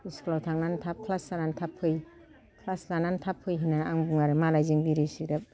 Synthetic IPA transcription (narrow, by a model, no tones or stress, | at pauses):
isklatʰaŋnantʰap̚kʰlaslanantʰapʰːɯj | kʰlaslanantʰapʰːɯjɦinaaŋbuŋaɾɯmalajziŋbiɾisiɾap̚